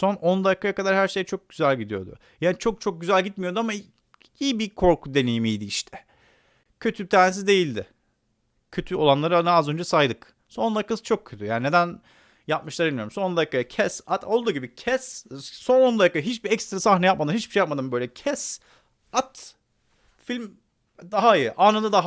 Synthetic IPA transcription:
so̞no̞nd̪akʰːajakad̪aɾhæɾʃe̞jɛt͡ʃʰo̞k̚ɟ̥yzælʲɟid̪ijo̞̰d̪ʊ̰ | jaːnit͡ʃʰo̞k̚t͡ʃʰo̞k̚ɟyzælʲɟit̪̚mijo̞d̪uama | iːbikʰo̞ɾkʰud̪e̞nejimijd̪iiʃt̪ʰɛ̥ | cʰø̞t̪ʰyt̪ʰæːɾnesizd̪e̞jilʲd̪ɪ̰ | cʰø̞t̪ʰyo̞lˠanlˠaɾɯanɯazø̞nd͡ʒɛsajd̪ɯk | so̞nakʰːasɯ̥t͡ʃʰo̞k̚cʰøt̪ʰyjaːnine̞d̪æn | jap̚mɯʃlˠaɾinʲmijo̞ɾumso̞nˠd̪akːajacʰɛsat̪o̞lˠd̪uːɟibicʰɛsso̞nond̪ajkːaɦit͡ʃbiɛcst̪ɾasaxnɛjap̚mad̪ɯnhit͡ʃbiʃejap̚mad̪ɯmbø̞jlʲɛcʰɛs | at̪ | filʲm | d̪aɦaijɯʔaːnad̪ad̪aɦ

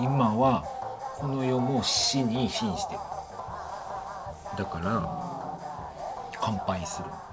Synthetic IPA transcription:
imaβakʰo̞no̞jo̞mo̥iɲ̟iɕĩɰ̃ɕi̥t̪e | d̪akaɾa | kʰãmpãĩsɨɾɯ̟̰

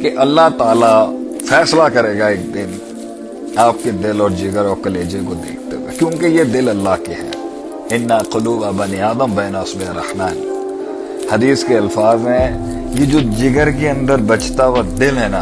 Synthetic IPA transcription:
keʔɐlːaɦt̪aːlafɛːslakɐɾeːɡaeːk̚d̪ɪn | aːp̚ked̪ɪlɔːɾd͡ʒɪɡəɾɔːɾkɐleːd͡ʒekod̪eːkʰt̪eakjõːkejed̪ɪlɐlːaɦkeɦɛ̰ː | ɪnːaːqʊluːbabɐniaːd̪əmbɛːnasbeɾɐ̰hmaːn | hɐd̪iːskeɐlfaːzɦɛ̃ | jed͡ʒoːd͡ʒɪɡəɾkeɐ̃nd̪əɾbɐt͡ʃt̪awad̪ɪlɦɛna

